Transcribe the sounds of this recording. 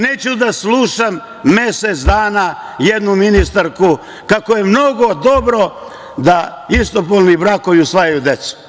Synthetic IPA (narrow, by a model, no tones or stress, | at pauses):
neːt͡ɕud̪asluʃamː | e̞set̪sd̪aːnajed̪numinist̪aɾku | kakoje̞mno̞ɡo̞d̪o̞bɾo̞ | d̪a | ist̪opolˠnibɾakoʋiusʋajajud̪et̪su̥